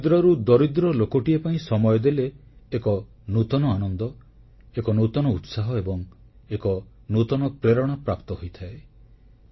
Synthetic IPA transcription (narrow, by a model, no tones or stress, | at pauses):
d̪ɾɔɾud̪ɔɾid̪ɾɔlokɔʈiepaĩsɔmɔjɔd̪eleːkɔ | nut̪ɔnɔanɔnd̪ɔ | ekɔnut̪ɔnɔut̪saɦɔebɔŋ | ekɔnut̪ɔnɔpɾeɾɔɽ̃apɾapt̪ɔɦojt̪ʰae